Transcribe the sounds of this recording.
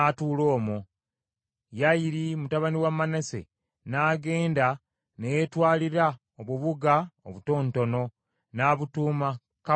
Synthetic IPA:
atuːlo̞ːmu | jajiɾimutaβaniwamːanese̞̰ | naːɡe̞ːnda | nejetwaːliɾa | oβuβuɡaoβuto̞ːnto̞no̞ | naːβutuːma | ka

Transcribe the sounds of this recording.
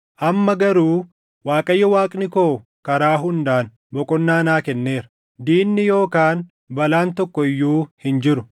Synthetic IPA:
ʔɐmːɐɡɐɾuː | waːkʼɐjːɐwaːkʼnɪko̞ːkɐɾaːɦʊnd̪aːn | bɔkʼɔnːaːnaːkɛnːe̞ːɾɐ | d̪iːnːɪjo̞ːkaːn | bɐlaːnt̪ɔkːɔɪjːuːhɪnd͡ʒɪɾʊ

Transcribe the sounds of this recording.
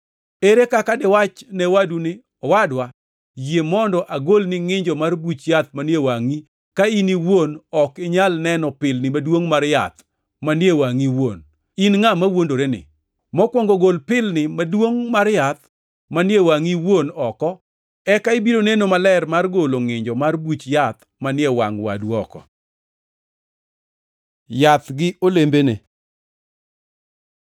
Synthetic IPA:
eɾekakadɪwat͡ʃnɛwadunɪ | ɔwadwa | jemɔndɔʔaɡolnɪŋɪɲd͡ʒɔmarbut͡ʃjat̪̚manjewaŋi | kainiwonɔkɪɲalnɛnɔpɪlnɪmadwoŋmaɾja̰t̪ | manjewaŋiwo̰n | inŋamawondoɾenɪ̰ | mɔkwɔŋɡoɡolpɪlnɪmadwoŋmaɾjat̪ | manjewaŋiwonɔkɔ | ɛkaɪbiɾonenomalɛrmarɡoloŋɪɲd͡ʒɔmarbut͡ʃjat̪ | manjɛwaŋwa̰dwɔ̰kɔ̰ | jat̪ɡɪolembene

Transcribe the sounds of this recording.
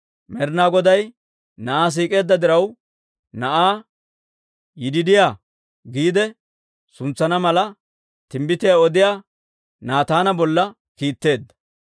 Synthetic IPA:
mɛɾnaːɡɔd̪ɐj | nɐʔaːs̬iːkʼe̞ːd̪ːɐd̪ɪɾɐw | nɐʔaː | jɪd̪ɪd̪ɪjaː | ɡiːd̪ɛ | sʊnt͡sːɐnɐmɐlɐ | t̪ɪmbɪt̪ɪjaːɔd̪ɪjaː | naːt̪aːnɐbɔlːɐ | kiːt̪ːe̞ːd̪ːɐ̥

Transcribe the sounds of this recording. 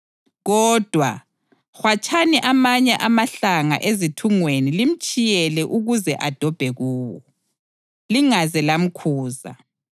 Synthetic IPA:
ɣɔːd̥ʱwa | xwat͡ʃʰaniʔamaɲɛʔamaɬaŋa̰ʔezitʰuŋwenilim̩t͡ʃʼijɛlɛʔuɣuzɛʔad̥ʱɔb̥ʱɛɣuːwɔ | liŋazɛlam̩kʰuːza̰

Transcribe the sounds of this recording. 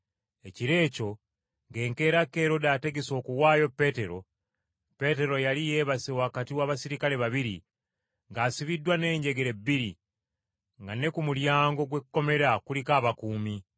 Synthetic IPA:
e̞ciɾe̞ːco̞ | ŋɡe̞ːŋke̞ːɾake̞ɾo̞daːte̞ɡeso̞ːkuwaːjo̞pːe̞te̞ɾo̞ | pe̞te̞ɾo̞jalije̞ːβasewaːkatiwaːβasiɾikale̞βaβiɾḭ | ŋɡaːsiβidːwane̞ːɲɟe̞ɡe̞ɾe̞bːiɾi | ŋɡane̞kumuljaːŋɡo̞ɡwe̞kːo̞me̞ɾakulikaːβakuːmi

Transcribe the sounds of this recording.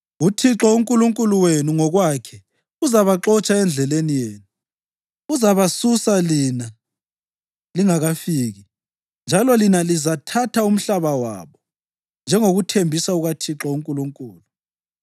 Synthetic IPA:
utʰiǁɔuŋkʼuluŋkʼuluwenuŋɔɣwakʰɛ | uzaβaǁɔt͡ʃʼaɛnd͡ɮʱɛlenijeːnu | uzaβasusalina | liŋaɣafiːɣi | nd͡ʒʱalɔlinalizatʰatʰaum̩ɬaβawa̰ːβɔ | nd͡ʒʱɛŋoɣutʰembʱisauɣatʰiǁɔuŋkʼuluŋkʼuːlu

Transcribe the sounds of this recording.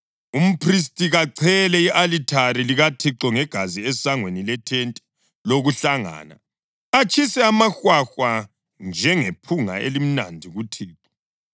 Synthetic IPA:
um̩pʰris̬tʼiɣaǀʰɛlɛiʔalitʰaɾiliɣatʰiǁɔŋɛɡ̥ʱaziɛsaŋwenilɛtʰentʼi̥ | loɣuɬaŋa̰ːna̰ | at͡ʃʰʼisɛamaxwaxwa | nd͡ʒʱɛŋepʰuŋa̰elim̩nandʱiɣutʰiːǁɔ

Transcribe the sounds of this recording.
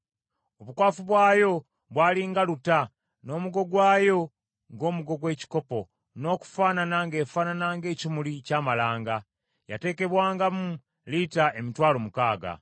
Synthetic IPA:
o̞βukwaːfuβwaːjo̞ | βwaːliŋɡaluta | no̞ːmuɡo̞ɡwaːjo̞ | ŋɡo̞ːmuɡo̞ɡwe̞ːci̥ko̞po̞ | no̞ːku̥faːnanaŋɡe̞ːfaːnanaŋɡe̞ːcimulicaːmalaːŋɡa | ja̰te̞ːke̞βwaːŋɡamu | litaemitwaːlo̞mukaːɡa̰

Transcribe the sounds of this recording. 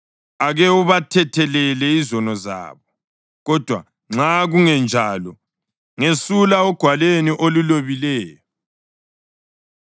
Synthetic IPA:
aɣɛuβatʰɛtʰɛlɛlɛizɔnɔza̰ːβɔ | ɣɔd̥ʱwa | ŋ͡ǁaɣuŋɛnd͡ʒʱaːlɔ | ŋesulaɔɡ̥ʱwaleniʔoluloβilɛːjɔ

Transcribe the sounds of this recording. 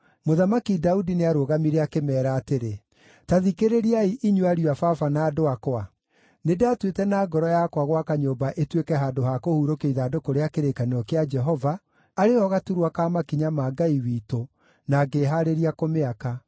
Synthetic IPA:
moðamakidaudineaɾoːɣamiɾeakemɛːɾaːteɾe | taðikeɾeɾiaiʔiɲwuaɾiafafanaːdoakoa | nedeatwetɛnaːɡɔɾɔjakwaɣwakaɲoːbaʔetwekɛɦaːdoɦakohuɾokeiðaːdokoɾeakeɾekaneɔkead͡ʒɛɦɔva | aɾeɔɣatuɾwakamakiɲamaɡaiwiːto | naːɡeɦaɾeɾiakomeaka

